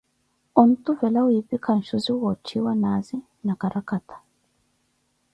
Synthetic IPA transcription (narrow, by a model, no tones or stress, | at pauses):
ɔn̩t̪uvɛlawipikan̩ʃuziwɔt͡ʃʰiwanazi | nakaɾakat̪ʰḁ